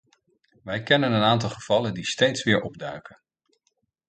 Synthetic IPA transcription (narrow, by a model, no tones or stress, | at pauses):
ʋɛjkɛnənənaːnt̬ɑlˠχəv̥ɑləndistejtsʋɪːɹʔɔbdœɥkən